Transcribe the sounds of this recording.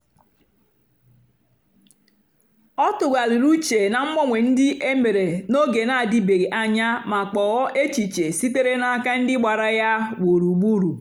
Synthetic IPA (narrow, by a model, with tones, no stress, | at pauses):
ɔ˦tʊ˨ɡa˨li˨ɾu˦t͡ʃe˨na˨m̩˦mɔ˦ŋʷe˨n̩˦dɪ˦ʔe˦me˨ɾe˨no˦ɡe˨na˦˨di˦be˨ɾi˨ʔa˦ɲa˦ma˨k͡pɔ˨ɣɔ˦ʔe˦t͡ʃi˨t͡ʃe˨si˦te˦ɾe˦na˨a˨ka˦n̩˦dɪ˦ɡ͡ba˨ɾa˦ja˦wo˨ɾu˨ɡ͡bu˦ɾu˨